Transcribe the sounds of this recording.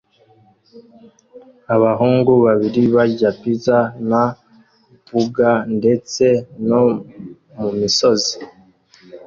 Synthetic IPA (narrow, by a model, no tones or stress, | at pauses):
aβaɦuːŋɡuβaβiɾiβaɟapizana | βuɡande̞t͡se̞no̞ | mumiso̞zi̥